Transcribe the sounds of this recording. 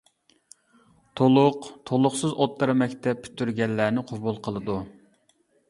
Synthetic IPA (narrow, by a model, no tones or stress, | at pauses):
t̪ʰolˠʊqt̪ʰolˠʊχsɨzot̪ːɨɾmɛkʲt̪ʰɛp̚pʰːy̥t̪ʰːyɾɡʲɛlːænɪqʰobulˠqʰəlˠɨd̪u